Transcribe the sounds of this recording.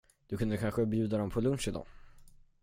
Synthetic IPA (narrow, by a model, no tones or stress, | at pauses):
d̪̥ɵkʰɵnd̪əkʰanɧəbjʉ̟ːd̪ad̪ɔmpʰɔlɵnʂɪd̪ɔ̰ː